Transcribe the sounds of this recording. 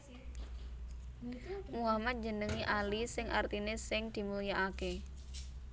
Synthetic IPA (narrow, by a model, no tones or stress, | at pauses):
muamat̪̚d͡ʒə̤nəŋiʔalisɪŋʔart̪inesɪŋd̪̥i̤mulijaʔake